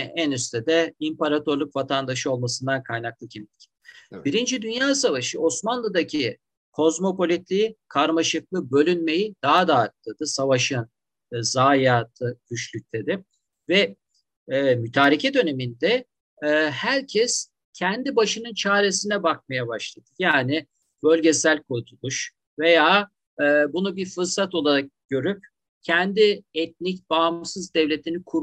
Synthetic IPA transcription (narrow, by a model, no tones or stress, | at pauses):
ænyst̪ʰɛd̪ɛimpaɾat̪ʰo̞ɾlʲˠykvat̪ʰand̪aʃɯo̞lˠmasɯnd̪ankʰajnak̚lˠɯcʰimd̪ʲi̥cʰʲ | biɾind͡ʒid̪ynjaːsavaʃɯʔo̞smanlˠad̪acʰi | kʰo̞zmo̞po̞lʲit̪lʲiːkʰaɾmaʃɯklˠɯbø̞lʲynme̞jid̪̥aɦad̪aːɯt̪̚lːˠad̪̥ɯsavaʃɯn | zaːjaːt̪ʰɯɟ̥yt͡ʃlʲyc̚t̪ʰɛd̪ɪ | vɛ | myt̪ʰaːɾicʰɛd̪ø̞ne̞mind̪ɛ | hæɾcʰɛs | cʰɛnd̪ibaʃɯnɯnt͡ʃʰaːɾe̞sinɛbak̚majabaʃlˠad̪̥ɯ̥jaːnɪ | bø̞lʲɟe̞sælʲkʰuɾt̪ʰulˠuʃ | ve̞jaː | bunubiɾfɯɾsat̪o̞lˠaɾak̚ɟ̥ø̞ɾyp̚ | cʰɛnd̪iɛt̪̚nicbaːmsɯzd̪ɛvlʲe̞t̪ʰinikʰu